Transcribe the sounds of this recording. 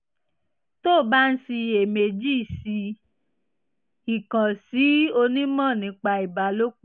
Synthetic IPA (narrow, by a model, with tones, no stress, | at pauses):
to˦˨ba˦n̩˦si˧e˨me˨d͡ʒiː˦˨si˧ | i˨kã˨si˨˦o˧nĩ˦mɔ̃˦˨nĩ˨˧˦k͡pa˧i˨ba˨lo˦k͡p